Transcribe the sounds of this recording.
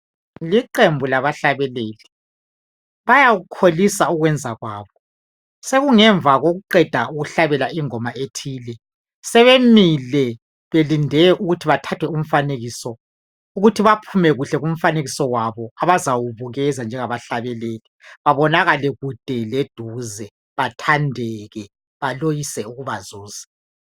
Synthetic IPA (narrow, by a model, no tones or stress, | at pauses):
liǃembʱulaβaɬaβɛleːli | βajaɣukʰolisauɣwɛnd͡zʱaɣwaːβɔ | seɣuŋɛɱvʱaɣoɣuǃɛd̥ʱauɣuɬaβɛlaiŋɔmaetʰiːlɛ | sɛβemilɛ | βelindʱɛʔuɣutʰiβatʰatʰwɛum̩faneɣisɔ | uɣutʰiβapʰumɛɣuɬɛɣum̩faneɣisɔwaβɔaβazawuβuɣɛzand͡ʒʱɛŋaβaɬaβɛleːlɛβaβɔnaɣalɛɣud̥ʱɛled̥ʱuzɛ | βatʰandʱɛɣɛ | βalojisɛuɣuβazuːza